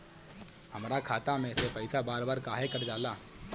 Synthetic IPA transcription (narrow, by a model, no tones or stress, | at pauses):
hɐmɾakʰaːt̪amẽsepɐɪsabaːɾbaːɾkaːɦekɐɾd͡ʒaːlaː